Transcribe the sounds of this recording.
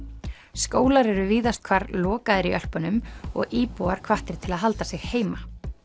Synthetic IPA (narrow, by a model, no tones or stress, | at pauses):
skoːwlaɾɛɾʏviːðast̪̚kʰvaɾlɔːkaðɪɾiʔœl̥pʏnʏmɔ̰ɣiːpuaɾ̥kʰv̥aht̪ɪɾ̥t̪ʰɪlaðɦalt̪asɪɣheːjma